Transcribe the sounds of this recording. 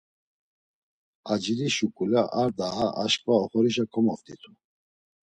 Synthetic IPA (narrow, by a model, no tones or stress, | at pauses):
ad͡ʒiɾiʃukʼulaʔaɾd̪aɦaaʃkʼvaɔχɔɾiʃakʰɔmɔvt̪ʰʼit̪ʰu